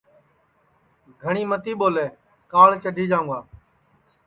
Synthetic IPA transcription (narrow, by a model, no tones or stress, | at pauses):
ɡʱəɳiːmət̪iːɓoːleː | kaːɭt͡ʃəɖʱiːd͡ʒaːʊ̃ŋɡaː